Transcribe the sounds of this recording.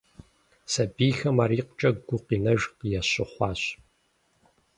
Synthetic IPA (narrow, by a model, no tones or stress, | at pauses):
sɐbiːxɐmaːɾiːqt͡ʃʼɐɡɡʷʊqiːnɐʒqjɛɕɪχʷɑːɕ